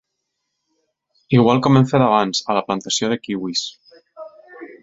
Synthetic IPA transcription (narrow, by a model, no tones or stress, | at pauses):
iɣ̞walˠkɔmeɱfeðaβanzalaplant̪asjoðekiwis